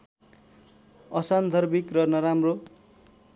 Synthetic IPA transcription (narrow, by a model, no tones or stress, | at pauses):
ʌsand̪ʱʌrbikrʌnʌɾamro